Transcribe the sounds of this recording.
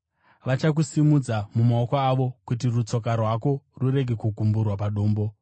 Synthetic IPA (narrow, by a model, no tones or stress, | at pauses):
ʋat͡ʃak̬usimud͡zamumaokaːʋo̞kut̬irut͡so̞k̬arwako̞ruɾe̞ɡʱe̞kuɡʱumburwapaɗoːmbo̞